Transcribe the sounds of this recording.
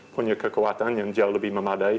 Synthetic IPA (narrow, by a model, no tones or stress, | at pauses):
pʰʊnəkʰəkʰəwatanjandjalˠəbimamadaj